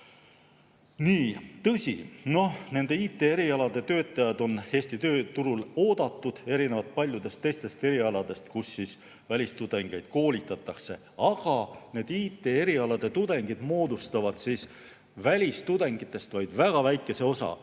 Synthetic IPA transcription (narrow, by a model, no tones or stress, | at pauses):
niːt̪ɤsʲḭno̞hne̞nd̪̥e̞iːt̪ːˑe̞ːeɾiɑlɑd̪̥e̞t̪ø̞ːt̪ːˑɑjɑd̪̥o̞nhe̞ːsʲt̪it̪ø̞ːt̪uɾulo̞ːd̪̥ɑt̪ːˑud̪̥e̞ɾinevɑlt̪̚pɑlʲjud̪̥e̞st̪ːe̞jst̪e̞st̪e̞ɾiɑlɑd̪̥e̞st̪kusːis | vælʲist̪ud̪̥e̞ŋɡ̥e̞jd̪̥̚ko̞ːlit̪ːˑɑt̪ːˑɑkse̞̰ | ɑɡ̥ɑne̞ːd̪̥iːt̪ːˑe̞ːe̞ɾiɑlɑd̪̥e̞t̪ud̪̥e̞ŋɡ̥id̪̥mo̞ːd̪ust̪ɑvɑd̪̥siːs | vælʲist̪ud̪̥e̞ŋɡ̥it̪ːˑe̞st̪vɑjd̪̥væɡ̥ɑvæjkːˑe̞se̞o̞sɑ̰